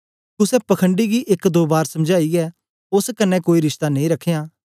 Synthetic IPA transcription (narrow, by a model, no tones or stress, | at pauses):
kʊsɛpɐkʰəɳɖiɡiʔɪkd̪oːbaːɾsɐ̃md͡ʒaːiɛː | ʊskənːɛ̃koːiɾɪʃt̪anẽĩːɾɐkʰejaː